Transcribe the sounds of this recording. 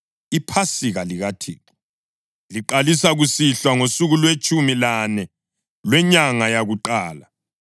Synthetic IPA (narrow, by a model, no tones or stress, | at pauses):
ipʰasiɣaliɣatʰḭːǁi̥ | liǃalisaɣusiɬwaŋosuɣulwet͡ʃʼumilanɛ | lwɛɲaŋajaɣuǃaːla